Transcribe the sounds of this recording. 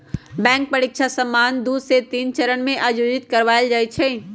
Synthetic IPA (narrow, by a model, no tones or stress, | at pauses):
bɛ̃ːŋk̚pəɽɪkʃʰasəmːaːnd̪uːset̪iːnt͡ʃɐɾənmẽʔaːjoːd͡ʒɪt̪kɐɾʋaːɪld͡ʒaːit͡ʃʰɛː